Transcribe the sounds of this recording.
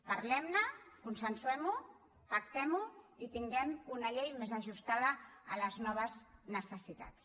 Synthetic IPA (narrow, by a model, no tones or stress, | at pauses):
paɾlɛmnəkunsənsuɛmu | pakt̪ɛmuit̪iŋɡɛmunaʎejmezaʒust̪aðəːləznɔβ̞əznəsəsit̪a̰t͡s